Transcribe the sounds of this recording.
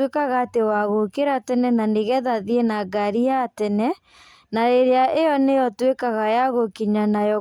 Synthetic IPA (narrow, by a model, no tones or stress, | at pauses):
wekaɣatewaɣokeɾatɛnɛnaneɣɛðaðienaɡaɾiatɛnɛ | naɾeɾeaʔejɔnejɔtwekaɣajaɣokiɲanajɔ